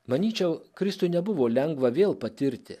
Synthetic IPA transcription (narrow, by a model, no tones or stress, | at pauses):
mɐnʲiːt͡ʃʲɛʊkɾʲɪst̪ʊɪnʲɛbʊʋoːlʲɛŋɡʋɐʋʲeːlˠpɐt̪ʲɪɾʲt̪ʲɪ